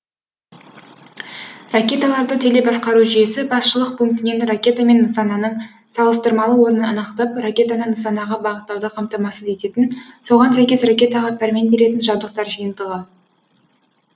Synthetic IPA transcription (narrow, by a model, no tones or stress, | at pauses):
rakʲe̞t̪alˠɑɾd̪ət̪ʰe̞le̞bɑsqɑɾuʒije̞sɪbɑsʃəlˠəq̚pʰuŋk̚t̪ɪne̞nrakʲe̞t̪ame̞nːəsɑnɑnəɴ | sɑlˠəst̪əɾmɑlˠəwo̞ɾənənɑnɑqt̪ɑprakʲe̞t̪anəɴnəsɑnɑʁɑbɑʁət̪lˠɑwd̪əqʰɑmt̪ɑmɑsəze̞t̪e̞t̪ɪnso̞ʁɑnsæjkʲe̞srakʲe̞t̪ɑʁɑpʰæɾme̞nbe̞ɾe̞t̪ɪnʒɑbd̪əq̚t̪ɑɾʒijənd̪əʁə